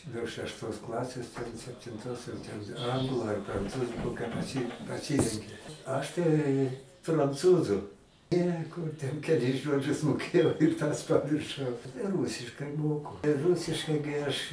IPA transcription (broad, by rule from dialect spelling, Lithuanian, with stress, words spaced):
nuɔ ʃʲɛʃˈtoːs ˈklˠɑːsʲeːs tʲɛn sʲɛpʲtʲɪnˈtoːs jɛʊ tʲɛn ˈɐŋɡlˠʊ ɐr prɐnˈt͡suːzʊ ˈkoːkʲæː pɐˈsʲiː pɐˈsʲiːrʲɛŋʲkʲɪ ˈɐʃ tɐɪ prɐnˈt͡suːzʊ ˈnʲɛ ˈkʊr tʲɛn kʲɛˈlʲɪs ˈʒoːd͡ʒʲʊs moːˈkʲeːjɛʊ ɪr tɐs pɐmʲɪrˈʃɐʊ tɐɪ ˈruːsʲɪʃkɐɪ ˈmoːkʊ ˈrʊsʲɪʃkɐɪ ɡʲɪ ɐʃ